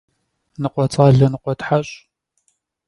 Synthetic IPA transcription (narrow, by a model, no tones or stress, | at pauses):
nɨqʷɔt͡sʼaːɮɐnɨqʷɔtħaɕʼ